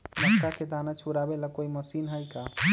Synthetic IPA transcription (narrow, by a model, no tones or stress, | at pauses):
məkaked̪anat͡ʃʰuɾabeləkoiməsinɦəjka